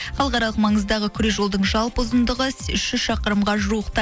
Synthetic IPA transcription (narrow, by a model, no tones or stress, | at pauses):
χɑlˠʁɑɾɑlˠəqmɑɴəzd̪ɑʁəkʲʰʏɾeʒo̞lˠd̪əɴʒɑlˠpəzənd̪əʁəsʏʃʏʃɑqəɾəmʁɑʒuəqt̪ɑ